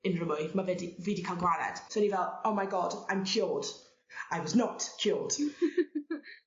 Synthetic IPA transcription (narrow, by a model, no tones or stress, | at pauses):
ɪ̃nɹəmɔjmavɛdividikʰalˠɡwaɾɛ̰d̥soɛ̃nivɛlˠoʊmajɡɔdãj̃mkʰj̥ʊlˠd̥ | ajwɔznətkʰjulˠd̥